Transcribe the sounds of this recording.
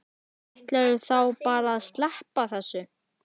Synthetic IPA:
aht̪lɛɾɛɾθawpaːɾaːðst̪lɛhpaθɛsːʏ

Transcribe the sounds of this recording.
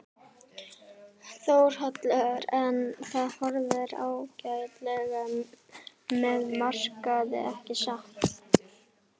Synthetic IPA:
θowɾ̥ɦœt̪lɛɣaɾɛnθaðhɔɾðɪɾa̰ːwcajt̪lɛɣa | mɛðmar̥kaðɪ̰ʔɛhcɪsaht̪

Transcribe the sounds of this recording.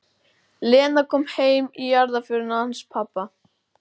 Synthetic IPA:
lɛːnakʰɔːmheːjmijaɾðafɪɾʏnanspʰapːa

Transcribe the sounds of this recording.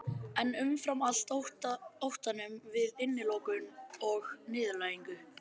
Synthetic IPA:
ɛnʏmfɾamal̥t̪htowht̪anʏmvɪðɪnːɪlɔwkʏnɔɣnɪːðʏlaːjiŋkʏ

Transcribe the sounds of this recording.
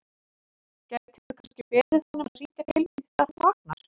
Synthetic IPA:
cɛt̪ʰɪʏkʰascɪpɛːðɪanːʏmariːt̪at̪ɪliθt̪aɾvaːk̚na̰ɾ̥

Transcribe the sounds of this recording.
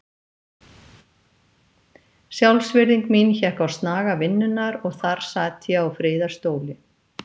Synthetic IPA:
sjawlsvɪɾðiŋkminçɛhkawst̪naːɣavɪnːʏnːaɾɔɣθaɾ̥saːt̪jɛawfɾɪːðaɾ̥st̪oːwlɪ

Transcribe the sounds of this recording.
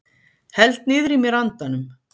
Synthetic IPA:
hɛlt̪̚nɪːðɾimjɛɾant̪anʏm

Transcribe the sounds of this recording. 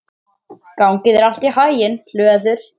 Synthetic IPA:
kawŋcɪðɛɾal̥t̪ihaːjjɪnl̥œːðʏɾ̥

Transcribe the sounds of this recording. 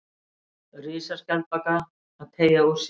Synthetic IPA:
rɪːsaɾ̥cal̚pakaː | ðt̪ʰeːjau̥s

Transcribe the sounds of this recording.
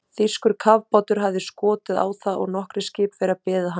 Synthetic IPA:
θi̥skʏɾ̥kʰavpɔt̪ʏɾ̥ɦavðɪskɔːt̪ɪða̰ːwθaʔɔ̰ɣnɔhkɾɪscɪːpfɛɾapɛːðaɦa

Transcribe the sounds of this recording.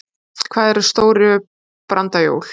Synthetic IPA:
kʰv̥aːðɛɾ̥st̪oːwɾʏ | pɾant̪ajo̰ːwl̥

